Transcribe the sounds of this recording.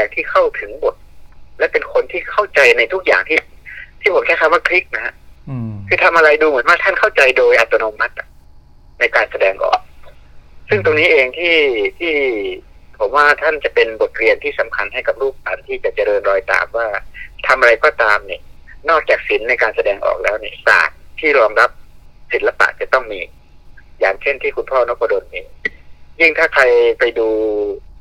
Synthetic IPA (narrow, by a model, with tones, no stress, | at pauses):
ɛː˨˩k̚t̪ʰiː˥˩kʰa˥˩wt̪ʰɯ˩˦ŋbo˨˩t̪̚lɛː˦˥pe˧nkʰo˧nt̪ʰiː˥˩kʰa˥˩wt͡ɕa˧jna˧jt̪ʰu˦˥k̚ja̰ː˨˩ŋt̪ʰiː˥˩t̪ʰiː˥˩pʰo˨˦mkʰɛː˥˩kʰa˥˩waː˥˩kʰli˦˥k̚na˦˥ha̰˧˥ʔkʰɯː˧t̪ʰa˧mʔa˧ɾa˧jduː˧mɯ˩˦ənwaː˥˩t̪ʰa˥˩nkʰa˥˩wt͡ɕa˧jdoː˧jʔa˧t̪o˧no˧ma˦˥t̪̚ʔa˨˩ | na˧jkaː˧nsa˧dɛː˧ŋʔɔ̰ː˨˩k̚ | sɯ˥˩ŋt̪̬o˧ŋniː˦˥ʔeː˧ŋt̪ʰiː˥˩t̪ʰiː˥˩ | pʰo˩˦mwaː˥˩t̪ʰa˥˩nt͡ɕa˨˩pe˧nbo˨˩t̪̚ɾi˧ənt̪ʰiː˥˩sa˩˦mkʰa˧nɦa˥˩jka˨˩p̚ɾuː˥˩p̚laː˨˦nt̪ʰiː˥˩t͡ɕa˨˩t͡ɕa˨ɾɤː˧nɾɔː˧jt̪a̰ː˨˩mwaː˥˩t̪ʰa˧mʔa˧ɾa˧jkɔː˧˩t̪aː˧mniː˧˩nɔː˥˩k̚t͡ɕaː˨˩k̚si˩˦nːa˧jkaː˧nsa˧dɛː˧ŋʔɔ̰ː˨˩k̚lɛː˦˥wniː˧˩sa̰ː˨˩t̪̚t̪ʰiː˥˩ɾɔː˧mɾa˦˥p̚si˨˩˦nla˧pa̰˨ʔt͡ɕa˨˩t̪ɔ˥˩ŋmiː˧ | jaː˨˩ŋt͡ɕʰe˥˩nt̪ʰiː˥˩kʰu˧npʰɔː˥˩nɔ˦˥kʰːɔ˧do˧nːiː˧˩jɯ˥˩ŋt̪ʰaː˥˩kʰa˧jpa˧jduː˧